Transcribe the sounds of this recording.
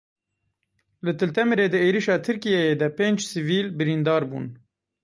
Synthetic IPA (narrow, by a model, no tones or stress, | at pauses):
lɨt̪ʰɨlt̪ɛmɨɾeːd̪ɨeːɾiʃɑːt̪ʰɨɾkijɛjeːd̪ɛpeːnd͡ʒsɨviːlbɨɾiːnd̪ɑːɾbṵːn